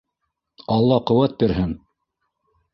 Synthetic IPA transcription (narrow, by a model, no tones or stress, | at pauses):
ɑlˠːɑqɤ̆wæt̪̚biɾɦɘŋ